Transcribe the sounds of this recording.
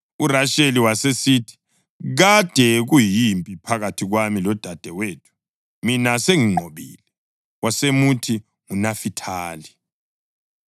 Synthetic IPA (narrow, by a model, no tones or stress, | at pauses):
uraʃeliwasesiːtʰi̥ | ɣad̥ʱɛɣujimpʼipʰaɣatʰiɣwamilɔd̥ʱad̥ʱɛweːtʰu̥ | minaseŋiŋ͡ǃʱoβḭːlɛ | wasemutʰi | ŋunafitʰaːli